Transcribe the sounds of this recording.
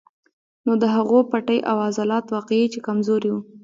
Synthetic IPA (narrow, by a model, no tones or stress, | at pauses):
nod̪əɦaɣopaʈəjʔawazɑlɑt̪wɑqeet͡ʃekamzoɾiwu